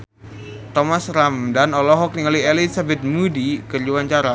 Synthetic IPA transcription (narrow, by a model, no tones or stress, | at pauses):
t̪ɔmasɾamdanɔlɔɦɔk̚niŋalielisabɛt̪̚mudikərd͡ʒuwaɲt͡ʃaɾa